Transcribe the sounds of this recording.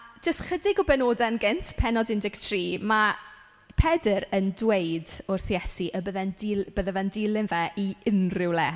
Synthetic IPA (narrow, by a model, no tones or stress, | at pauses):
d͡ʒəstχədɪɡɔbɛnoːdɛnɡɪntʰpʰɛnɔdɪndɪktʰriːma | pʰɛdəɾəndwejdʊrθjɛsiʔəbəðɛndɪb̥əðɛvɛndɪlˠɪnvɛʔiɪnrɪwlɛ